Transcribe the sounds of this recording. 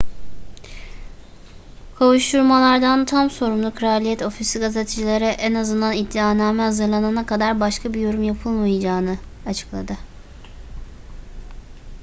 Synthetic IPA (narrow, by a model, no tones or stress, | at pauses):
kʰawuʃt̪uɾmalˠaɾd̪ant̪ʰamso̞ɾumlˠukʰɾaːlʲijɛt̪o̞fisiɡazet̪ʰid͡ʒilʲeɾɛʔɛnazɯnd̪anid̪ːiaːnaːmɛɦazɯɾlˠananakad̪aɾbaʃkʰabijo̞ɾumjapʰɯlˠmajad͡ʒaːnɯat͡ʃʰɯ̥klˠad̪ɯ